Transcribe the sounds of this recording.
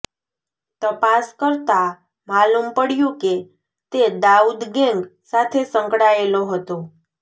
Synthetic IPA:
t̪əpaskəɾt̪a | malumpəɽjũke | t̪ed̪aud̪ɡɛ̃ŋɡsat̪ʰesə̃ŋkɽaeloɦət̪o

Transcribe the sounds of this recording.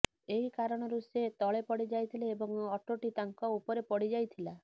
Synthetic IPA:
eɦikaɾɔɽ̃ɔɾuset̪ɔɭepɔɽid͡ʒajt̪ʰileːbɔŋɔʈoʈit̪aŋkɔupɔɾepɔɽid͡ʒajt̪ʰila

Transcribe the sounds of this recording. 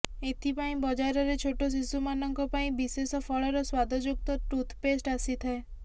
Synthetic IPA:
et̪ʰipaĩbɔd͡ʒaɾɔɾet͡ʃʰoʈos̬isumanɔŋkɔpaĩbisesɔpʰɔɭɔɾɔswad̪ʱɔd͡ʒuk̚t̪ɔʈɾut̪ʰpesʈasit̪ʰae

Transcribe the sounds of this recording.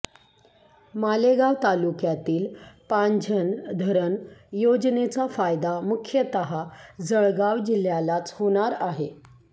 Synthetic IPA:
maleɡaʋt̪alukjat̪iːlpaɲd͡ʑʱənd̪ʱəɾənjod͡znet͡safajd̪amukʰjət̪əɦad͡zəɭɡaʋd͡ʑil̤jalat͡shoɽ̃aɾaɦe

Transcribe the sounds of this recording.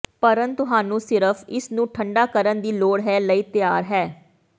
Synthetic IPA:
pəɾənt̪t̪ʊɦaːnũːsɪɾəfʰɪsnũːʈʰəɳɖaːkəɾənd̪iːloːɽɦɛːləiːt̪ɪjaːɾɦɛː

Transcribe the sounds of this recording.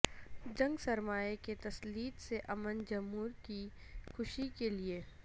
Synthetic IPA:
d͡ʒɐ̃ŋɡsɐɾmaːeket̪ɐsliːd̪seʔɐmənd͡ʒɐmɦuːɾki | xʊʃikelie

